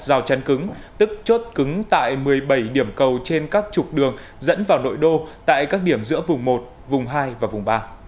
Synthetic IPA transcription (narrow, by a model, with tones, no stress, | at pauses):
zaː˨˩wt͡ɕa˨˦nkɨ˨˦ŋt̪ɨ˦˥k̚t͡ɕo˦˥t̚kɨ˨˦ŋt̪a̰ː˧˨jmɨ˨˩əjɓə˧˩jɗi˧˩əmkə˨˩wt͡ɕe˧nkaː˦˥k̚t͡ɕʊ˨˩k͡p̚ɗɨ˨˩əŋ | zə̰˧˥nvaː˨˩wno̰˧˨jɗo˧t̪a̰ː˧˨jkaː˦˥k̚ɗi˧˩əmzɨ̰˧˥əvʊ˨˩ŋ͡mmo˨˩t̚ | vʊ˨˩ŋ͡mɦaː˧jvaː˨˩vʊ˨˩ŋ͡mɓaː˧